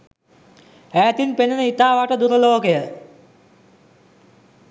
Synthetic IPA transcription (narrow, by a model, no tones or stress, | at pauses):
æːt̪inpenənəit̪aːʋaʈəd̪uɾəloːkəjə